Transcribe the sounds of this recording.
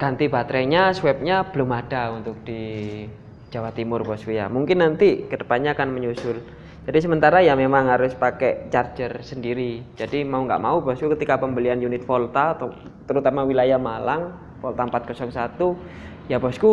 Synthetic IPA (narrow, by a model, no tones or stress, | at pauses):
kant̪ibat̪ɾɛɲaswɛp̚ɲab̥əlʊmad̥aunt̪ʊk̚d̥i | d͡ʒ̥awat̪imʊrbɔskuja̰muŋkɪnːant̪iɡ̥ədəpaɲaːkanməɲusʊl | d͡ʒadis̬əmənt̪aɾajamemaŋɦaɾʊspakɛʔt͡ʃard͡ʒərsəndiɾid͡ʒadimauŋɡa̰ʔmaubɔskukət̪ikapəmbəlianjunɪt̪̚fɔlt̪at̪t̪əɾut̪amawilajahmalaŋ | fɔlt̪ampat̪̚kɔsɔŋsat̪u | jabɔsku